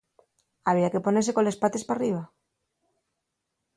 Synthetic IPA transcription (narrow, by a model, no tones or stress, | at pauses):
aβ̞iakeponesekolespat̪espariβ̞a